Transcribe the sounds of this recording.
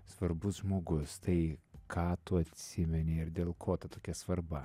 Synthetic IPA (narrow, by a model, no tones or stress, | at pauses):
sʋɐɾbʊsʒmoːɡʊst̪ɐɪkʰɑːt̪ʊɐt̪ʲsʲɪmʲɛnʲeɪɾd̪ʲeːlˠkʰoːt̪ɐt̪oːkʲɛsʋɐɾbɐ